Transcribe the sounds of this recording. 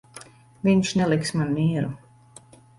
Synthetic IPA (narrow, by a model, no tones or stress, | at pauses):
viɲt͡ʃnɛlˠiksmanmiːɛɾu